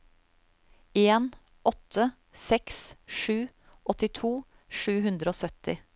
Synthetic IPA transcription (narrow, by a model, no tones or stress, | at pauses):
eːn | ʔɔt̪ʰə | sɛksʃʉː | ʔɔt̪ɪt̪ʰuː | ʃʉːhʉnd̪ɾəoːsœt̪ɪ